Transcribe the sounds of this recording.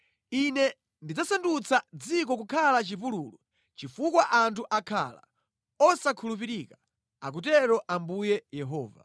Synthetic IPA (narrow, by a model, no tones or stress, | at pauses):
inɛ | ndid͡zasandut͡sʰad͡zik̬ɔk̬ukʰalat͡ʃipuluːlu | t͡ʃifukwaʔantʰuʔakʰa̰la̰ | ɔsakʰulup̬iɾika | ak̬utɛɾɔʔambujɛjɛɦɔːva̰